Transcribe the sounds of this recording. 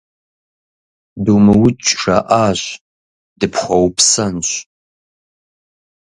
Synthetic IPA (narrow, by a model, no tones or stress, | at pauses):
duːmɨwʊt͡ʃʼʂɐʔaːɕ | dɨpʰχʷɔwpʰsɐnɕ